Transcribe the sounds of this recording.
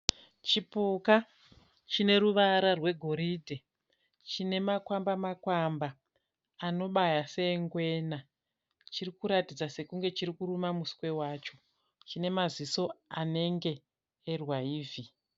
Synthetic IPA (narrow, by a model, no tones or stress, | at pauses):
t͡ʃipuka | t͡ʃine̞ɾuʋaɾarwe̞ɡʱo̞ɾidʱe | t͡ʃine̞makwambamakwambaː | no̞ɓajase̞ŋɡwe̞ːna | t͡ʃirikuɾatid͡zase̞kuŋɡe̞t͡ʃiɾikurumamuskwe̞waːt͡ʃo̞ | t͡ʃine̞maziso̞ane̞ŋɡe̞ː | rwaiːvi